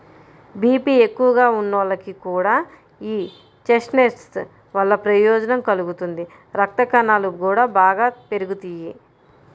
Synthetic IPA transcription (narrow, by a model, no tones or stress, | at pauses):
biːpiːe̞kːuʋɐɡaːunːɐʋlɐkikuːɽaː | iː | t͡ʃeʂnesʈs | ʋɐlːɐpɾɐjɔːd͡ʒɐnɐmkɐluɡut̪und̪i | ɾɐk̚t̪ɐkɐnaːlukuːɽaːbaːɡaːpe̞ɾuɡut̪iji